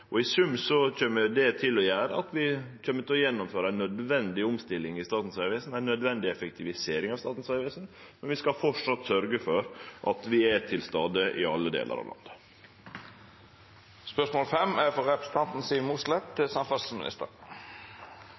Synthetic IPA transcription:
ʔɔɪsʉmːsɔc͡çœməd̪ɛt̪ʰɪlːɔjæːɾə̰ɑt̪ʋɪc͡çʰœmːəɾt̪ɔjɛnːɔmføːɾəæɪnœd̪ʋɛnd̪ɪʊmst̪ɪlːɪŋɪst̪ɑːt̪n̩sæʋɛsn̩æɪnːœd̪ʋɛnd̪ɪɛfək̚t̪ʰɪʋɪseːɾɪŋɑʋst̪ɑːt̪n̩sʋæʋɛːsnmɛnʋɪskɑfɔʂɑt̪sœɾɡəfɔɾʔɑt̪ʋɪɛt̪ʰɪlst̪ɑːd̪əʔɪ̰ɑlːəd̪ḛːlʔə̰ɾʔɑ̰ʋlɑ̰nd̪ə | spœʂmoːlfɛmæɾfɔɾɛpɾə̥s̩t̪ʰɑnt̪n̩siːmuːslɛt̪sɑmfɑssmɪ̰nɪ̰st̪ə̰ɾ

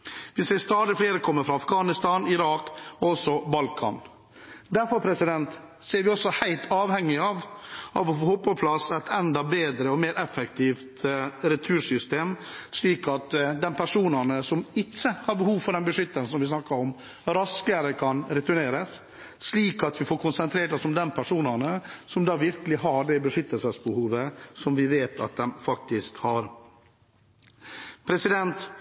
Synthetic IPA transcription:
ʋɪseːɾst̪ɑːd̪ɪfleːɾəkʰɔmːəfɾɑɑfɡɑːnɪst̪ɑnɪɾɑːkɔɔsːɔbɑlkʰɑ̰n | d̪æɾfɔɾpʰɾɛsɪd̪ɛnt̪ | seːɾʋɪɔsːɔhæɪt̪ʰɑːʋhɛŋːɪɑʋɑ̰ʋɔfoːhɔpːɔpʰlɑsɛt̪ʰɛnd̪ɑbeːd̪ɾəɔmeːɾʔɛfɛkt̪ʰiːft̪ɾɛt̪ʰʉːʂʏst̪eːmsliːkɑt̪d̪ɛnpʰæʂuːnɑnəsɔmɪtːəhɑɾbəhuːʋfɔɖɛnbəʂʏt̪ːənsɔmʋɪs̬nɑkːɑɾɔm | ɾɑskəɾəkʰɑnɾɛt̪ʉɳeːɾəsː | liːkɑt̪ʋɪfoːɾkʊnsənt̪ʰɾeːʈɔsɔmd̪ɛnpʰæʂuːnənəsɔmd̪ɑːʋɪɾkəlɪɦɑɖɛbəʂʏt̪ːəlsəsbəhuːʋəsɔmʋɪʋeːt̪ʰɑ̰t̪̚d̪ɛmfɑk̚t̪ɪskhɑɾ | pʰɾɛsɪd̪ɛnt̪

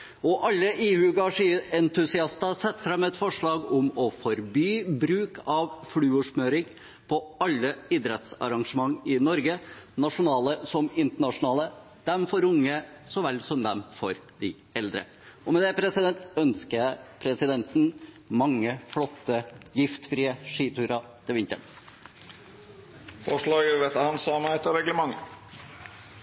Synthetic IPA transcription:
ɔʔɑlːəʔiːʉɡɑʂɪɛnt̪ʉsɪɑst̪ɑsɛt̪ːfɾɛmːɛt̪fɔʂɭɑːɡʊmɔfɔɾbyːbɾʉːkʰɑʋfɽʉːʊʂmøːɾɪŋ | pʰɔɑlːəɪd̪ɾɛt̪sɑ̰ɾɑŋʂəmɑŋːɪnɔɾɡənɑʂʊnɑːləsɔmɪnt̪əɳɑʂʊnɑːlə | d̪̥ɛmfɔɾʊŋːə | sɔʋɛlːsɔmd̪ɛmfɔɾd̪̥ɪ | ɛld̪ɾə̰ | ɔmɛd̪ɛpʰɾɛsɪd̪ɛnt̪œnskəæpʰɾɛsɪd̪ɛnt̪n̩ | mɑŋːəflɔt̪ːəjɪft̪fɾiːəʂiːt̪ʰʉːɾɑt̪ʰɛʋɪnt̪ə̰ɳ | fɔʂɭɑːɡəʋɛt̪əhɑnsɑmæt̪ɔɾɛɡləmɑŋːə

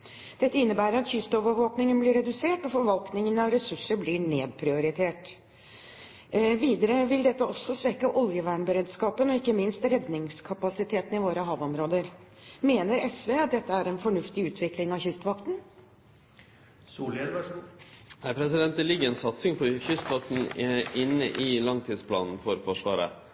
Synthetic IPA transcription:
d̪̥ɛt̪ːəɪnːəbæːɾəɾɑt̪çʏst̪oːʋəɾʋoːknɪŋənblɪɾɛd̪ʉseːʈɔfɔɾʋɑlknɪŋənɑʋɾɛsʉʂːəɾblɪɳeːd̪̚pʰɾɪʊɾɪt̪ʰeːʈ | ʋiːd̪əɾəʋɪld̪ɛt̪ːəɔsːɔsʋɛkːəʔɔljəʋæːɳbəɾeːd̪skɑːpənɔɪkːəmɪnst̪ɾɛd̪nɪŋskʰɑpɑsɪt̪ʰeːt̪n̩ɪʋoːɾəɦɑːʋɔmɾoːd̪əɾmeːnəɾɛsʋeːɑt̪̚d̪ɛt̪ːəæɾɛnfɔɳʉft̪ɪʉːt̪ʰʋɪklɪŋɑçʏst̪ʋɑkt̪n̩ | æɪpʰɾɛsɪd̪ɛnt̪əlɪɡːəɾɛnsɑt̪sɪŋpʰɔçʏst̪ʋɑk̚t̪n̩ɪnːə̰ʔɪlɑŋt̪ʰiːd̪spʰlɑ̰ːnn̩fɔɾfɔʂʋɑ̰ːɾə̰

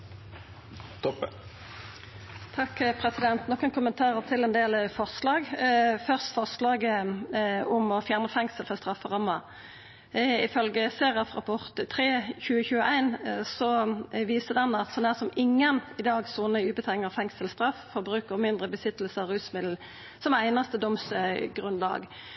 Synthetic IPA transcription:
t̪ɔ | t̪ʰɑkːpʰʁɛsɪd̪ɛnt̪nɔkːənkʰʊmənt̪ʰɑːʁəʁt̪ʰɪlɛnd̪eːlfɔʁslɑːɡfœʁst̪fɔʁslɑːɡə | ɔmɔfjæːʁnəfɛŋsəlfɔʁst̪ʁɑfːəʁɑmːə | ɪfœlɡəseːʁɑfʁɑpʰɔʁt̪t̪ʰːʁeːçʉːəçʉːəʔæɪnsɔʋiːsəd̪ɛnɑt̪sɔnæːʁsɔmɪŋːənɪd̪ɑːɡsuːnəʉːbət̪ʰɛŋːɑʁfɛŋsəlst̪ʁɑffɔbʁʉːkəʁmɪnd̪ʁəbəsɪt̪əl̩səʁʉːsmɪd̪l̩ | sɔmæɪnɑst̪əd̪ɔmsɡʁʉnlɑ̰ːɡ

